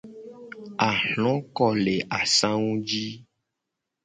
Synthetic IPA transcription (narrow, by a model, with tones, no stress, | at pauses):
a˨hlɔ̃˨˦kɔ˦le˨ʔa˨sã˦ŋũ˦d͡ʒi˦